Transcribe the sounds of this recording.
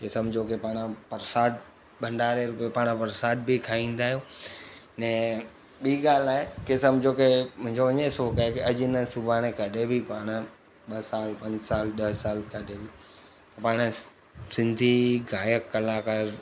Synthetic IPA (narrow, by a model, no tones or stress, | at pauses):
kɪsəmd͡ʑʱokepaːɽ̃pɐɾsaːd̪̚ | bʱɐ̃ɳɖaːɾeɾʊpiepaːɽ̃pɐɾsaːd̪̚bikʰaːĩːn̆d̪aːɦijoːnɛ̃ː | ɓiːɡaːl̤aːɦekɪsəmd͡ʑʱokemʊ̃ɦɪ̃ɲd͡ʑoʋɐɲesoːkaːɦekeɐʄnəsʊbʱaːɽ̃ekɐɗebʱipaːɽ̃ | ɓɐsaːlpɐ̃ɲd͡ʑsaːlɗɐɦsaːlkɐɗebʱi | t̪ɐpaːɽ̃ | sɪ̃nd̪ʱiɡaːjəkːɐlaːkaɾ